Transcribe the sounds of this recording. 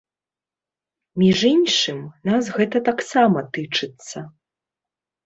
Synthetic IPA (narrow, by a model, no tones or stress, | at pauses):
mʲiʐinʂɨmnas̬ɣɛt̪ɐt̪aksamɐt̪ɨt͡ʂɨt̪sːɐ